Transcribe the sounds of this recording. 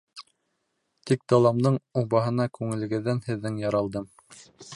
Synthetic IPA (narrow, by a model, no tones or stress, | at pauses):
t̪ik̚d̪ɑlˠɑmd̪ɤɴuβɑɦɤ̆nɑkʉŋɘ̆lɘ̆ɡɘ̆ðːænhɘ̆ðːɘŋjɑɾɑlˠd̪ɤm